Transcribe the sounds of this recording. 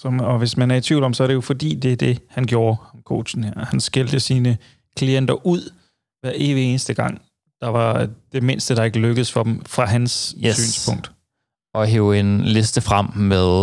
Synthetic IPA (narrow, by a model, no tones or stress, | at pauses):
sɒ̽mɒ̽ʋe̝smænæɐit͡sʰʋḭʊ̰l̥ɒ̽msɒ̽æɐɾe̝jo̝fɒ̽d̥ḭːd̥e̝d̥e̝hænɡ̥jo̝ːɐhɑmkʰo̝̰ːɕn̩hæɐ̰hænsɡ̥eld̥əsiːnə | kʰlien̰d̥ɐʔuð̰ˠ | ʋæɐʔe̝ːʋieːnəsd̥əɡ̥ɑ̈ŋ̰ | d̥ɑ̈ʋɑ̈d̥e̝me̝nsd̥əɾ̥ɑ̈e̝ɡ̥əløɡ̥əð̩ˠsfɒ̽d̥emfʁɑ̈ɦænssy̰ːnspʰɔ̽ŋ̰d̥ | ɒ̽ɦḛːʊenle̝sd̥əfʁam̰meðˠ